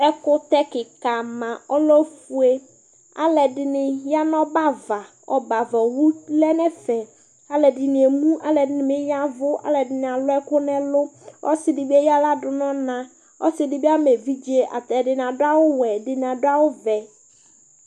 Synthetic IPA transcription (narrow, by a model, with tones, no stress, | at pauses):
ɛ˦kʊ˦t̪ɛ˦kɪ˨ka˨mã˨ɔ˦lɔ˦fu˨e˦ | a̰˦lɛ˨dɪ˨nɪ˨ja˦nɔ̃˦ba˦va˨ | ɔ̰˨ba˨va˨wu˦lɛ˦nɛ˦fɛ˨ | a˦lɛ˨dɪ˨nɪ̃˨e˨mũ˦ʔa˦lɛ˨dɪ˨˦nɪ˨mɪ˦ja˦vʊ˦a̰˦lɛ˨dɪ˨nɪ˨a˨lʊ˦ɛ˦kʊ˦nɛ̃˦lʊ˦ɔ̰˦sɪ˨dɪ˨bi˦ɛ˦ja˦la˦dʊ˨nɔ̃˦nã˨ | ɔ̰˦sɪ˨dɪ˨bi˦a˦me˨vi˦d͡ʒi˦e˦ʔa̰˨t̪ɛ˨dɪ˨n˨ã˨dʊ˦a˦wʊ˦wɛ˨dɪ˨n˨ã˨dʊ˦a˦wʊ˦vɛ˨